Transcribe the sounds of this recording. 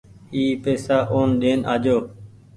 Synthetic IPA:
iːpeːsaːʔoːnɗeːnʔa̰ːd͡ʒoː

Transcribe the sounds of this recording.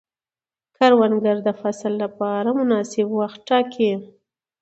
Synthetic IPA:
kʰaɾwanɡaɾd̪əfaslːapɑɾamʊnɑsɪbwaxt̪̚ʈɑkʰi

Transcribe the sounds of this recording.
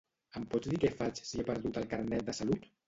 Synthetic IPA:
əmpɔd͡zd̪ikɛfat͡ʃsiepəɾðut̪əlˠkaɾnɛt̪̚d̪əsalut̪

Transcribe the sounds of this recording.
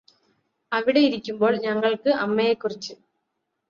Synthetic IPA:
ɐʋiɽejiɾikʲːumbo̞ːɭɲɐŋːɐɭkɨʔɐmːɐjekːurit͡ɕːɨ

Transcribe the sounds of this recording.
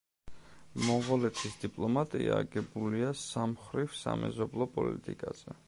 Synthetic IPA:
mɔʁɔlɛt̪ʰisd̪ipʼlˠɔmat̪ʼiaːɡɛbuliasamχɾivsa̰mɛzɔblˠɔpʼɔlḭt̪ʼikʼaz̥ɛ

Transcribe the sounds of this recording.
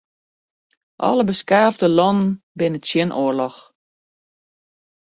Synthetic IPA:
ʔɔ̰ləbəskaːvdəlɔnənbɪnəsjɪnʔoərlɔx

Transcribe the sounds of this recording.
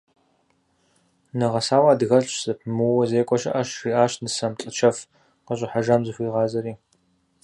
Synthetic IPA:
nɨʁɐsaːwaːdɣɐɬt͡ʃz̥ɨpʰmɨwɔzeːkʷʼɔʃɐ̰ʔɐʃriːʔaːʃtnɨsɐmɬʼɨt͡ʃʰɐf | qəɕʼɪħaʒamzɨxʷiːʁɑːzɐɾiː

